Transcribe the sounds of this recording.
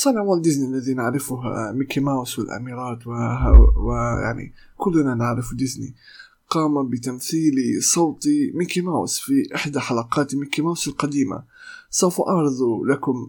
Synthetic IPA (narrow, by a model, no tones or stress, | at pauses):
sˤɑnəʕwald̪ɪznilːæðinəʕɾɪfʊɦmikimawswɪlʔæ̰miɾˤɑːt̪wɦwɪja̰ʕnḭ | kʊlːnanaʕɾɪfud̪ɪznḭ | qɑːmabət̪amθiːlsˤɑwt̪imikimaw̰sfiʔɪħd̪aħalɑqɑːt̪mikimawsəlqɑd̪iːma̰ | sˤɑwfʔɑʕɾˤd̪ˤulakʊm